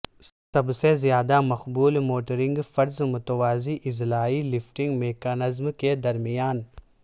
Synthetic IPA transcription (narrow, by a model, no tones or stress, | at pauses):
sɐbsezjaːd̪amɐxbuːlmoːʈəɾɪ̃ŋɡfɐɾzmʊt̪ʋaːziʔɪzlaːilɪfʈɪ̃ŋɡmeːkaːnɪzmked̪ɐɾmijaːn